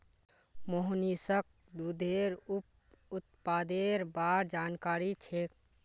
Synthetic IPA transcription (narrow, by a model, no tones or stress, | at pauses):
moɦnisək̚ | d̪ud̪ʱeɾup | ʊt̪̚paːd̪eɾbaːɾd͡ʒankaːɾit͡ʃʰek